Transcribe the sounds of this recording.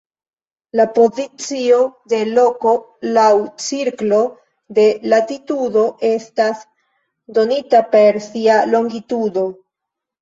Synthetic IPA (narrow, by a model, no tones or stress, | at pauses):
lapo̞zit͡sio̞de̞lo̞ko̞ | lawt͡siɾklo̞ | de̞latitudo̞ʔe̞stas | do̞nitape̞ɾsialo̞ŋɡitudo̞